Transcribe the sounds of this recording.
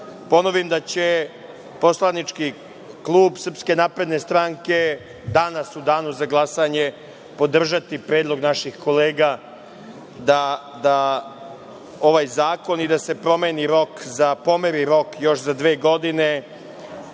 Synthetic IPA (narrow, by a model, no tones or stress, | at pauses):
po̞no̞ʋimd̪at͡ɕe̞ | po̞slˠanit͡ʃki | klˠuːbsr̩pske̞naːpɾe̞d̪ne̞st̪ɾaŋke̞ | d̪anasud̪aːnuzaɡlˠasaɲe̞ | po̞d̪r̩ʒat̪ipɾeːd̪lˠo̞ɡnaʃixko̞leːɡa | d̪a | d̪a | o̞ʋaːjzaːko̞nid̪ase̞pɾo̞meniɾo̞kzapo̞meɾiɾo̞kjo̞ʃzad̪ʋe̞ːɡo̞d̪ine